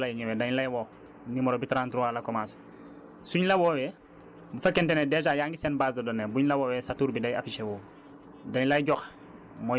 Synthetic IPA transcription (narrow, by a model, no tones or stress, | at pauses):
lajiɲewedaɲlajwo | nimɔɾobitɾãːntɾuwaːlakomas | suɲlawoːwe | bufekentenedet͡ʃajaːŋɡisenbaːsdodonebuɲlawowesatuːɾbidaja̰fiʃewoː | daɲlajɟox | mo